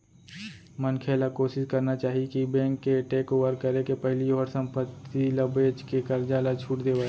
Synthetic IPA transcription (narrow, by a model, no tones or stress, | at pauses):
mənkʰeːlakoːʃɪskɐɾnat͡ʃaːɦikibɛ̃ːŋkːeʈeːkoːʋəɾkːɐɾekepɐɦlioːɾsɐ̃mpət̪ːilɐbeːd͡ʒkekɐɾd͡ʒaːlat͡ʃʰuːʈd̪eːʋa